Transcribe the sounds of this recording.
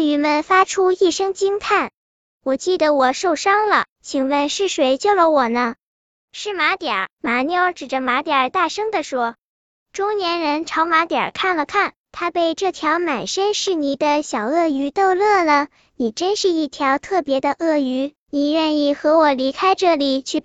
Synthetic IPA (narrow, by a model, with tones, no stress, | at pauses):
y˧˥mə˧nfa˥ʈ͡ʂʰu˥i˥˩ʂɤ˥ŋt͡ɕi˥ŋt̪ʰa˥˩n | wɔ˨˩t͡ɕi˥˩d̪ə˩wɔ˨˩ʂo˥˩ʊʂɑ˥ŋlə̰˨t͡ɕʰi˨˩ŋwə˥˧nʂɻ̩˥˩ʂwe˧˥ɪt͡ɕjo˥˩ʊlə˧wɔ˨˩nə˦ | ʂɻ̩˥˩ma˧˥t̪ja̰˨˩˥ma˧˥njɑ˥ʊʈ͡ʂɻ̩˨˩ʈ͡ʂə˦ma˧˥t̪ja˞˨˩t̪a˥˩ʂɤ˥ŋd̪ə˨ʂwɔ˥ | ʈ͡ʂʊ˥ŋnjɛ˧˥nɻə˧˥nʈ͡ʂʰɑ˧˥ʊma˧˥t̪jə̰˨˩kʰa˥˩nlə˩kʰa˥˩n | t̪ʰa˥pe˥˧ɪʈ͡ʂɤ˥˩t̪ʰjɑ˧˥ʊma˨˩nʂə˥nʂɻ̩˥˩ni˨˩d̪ə˧ɕjɑ˨˩ʊɤ˥˩y˧˥t̪o˥˧ʊlɤ˥˩lə˩ | ni˨˩ʈ͡ʂə˥nʂɻ̩˥˧i˥˩t̪ʰjɑ˧˥ʊt̪ʰɤ˥˩pjɛ˧˥d̪ə˧ʔɤ˥˩y˧˥ | ni˨˩ɻə˥˧ni˥˩xɤ˧˥wɔ˨˩li˧˥kʰa˥ɪʈ͡ʂɤ˥˩li˨˩t͡ɕʰy˥˩